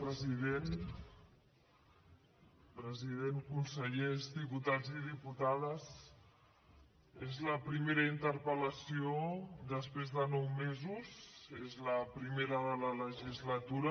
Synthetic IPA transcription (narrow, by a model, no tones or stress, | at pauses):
pɾəziðen | pɾəziðeŋkunsəʎezðiput̪ad͡ziðiput̪að̞əs | ezləpɾimeɾəint̪əɾpələsiod̪əspɾezðənɔwmezuzezləpɾimeɾəðələləʒizlət̪uɾə